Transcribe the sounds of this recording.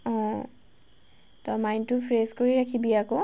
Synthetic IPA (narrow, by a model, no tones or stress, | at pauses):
ɔ̃ | tɔmajntʊpʰɹezkoɹiɹakʰibiako